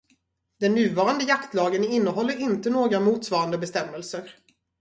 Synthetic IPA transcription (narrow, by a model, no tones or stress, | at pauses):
d̪̥ɛnːʉ̟ːvɑːɾand̪əjakt̪lɑːɡənɪnːəɦɔlːəɾɪnt̪ənoːɡɾamuːt̪svɑːɾand̪əbɛst̪ɛmːəlsəɾ